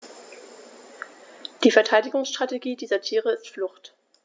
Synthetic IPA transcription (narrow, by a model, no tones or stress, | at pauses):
d̥iːfɛɐtʰaɪdɪɡʊŋsʃtʁ̥ateɡiːdiːzɐtʰiːʁəɪstflʊχt